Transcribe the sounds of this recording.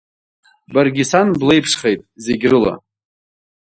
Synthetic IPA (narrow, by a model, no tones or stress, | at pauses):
barɡʲisanble̞jpʰʂχejtʼzeɡʲrɨla̰